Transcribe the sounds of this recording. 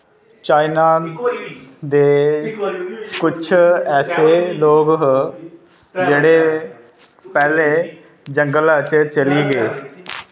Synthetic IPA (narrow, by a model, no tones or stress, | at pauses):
t͡ʃaːɪnaː | d̪eː | kʊt͡ʃʰɛːseːloːɡ | d͡ʒeːɽeː | pɛːleː | d͡ʒəŋɡəlaːt͡ʃt͡ʃəliːɡeː